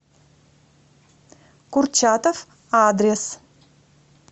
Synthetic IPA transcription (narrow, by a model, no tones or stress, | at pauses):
kurt͡ʃat̪ɐf | aːd̪ɾʲes